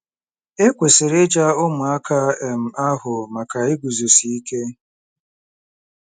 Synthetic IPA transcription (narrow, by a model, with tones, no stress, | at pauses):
e˦kʷe˨se˨ɾe˦d͡ʒa˦ʊ˦mʊ˨a˦kʰa˦e˨m̩˨a˦ɦʊ˨ma˨ka˨ɪ˦ɡu˨zu˨si˨i˦ke˦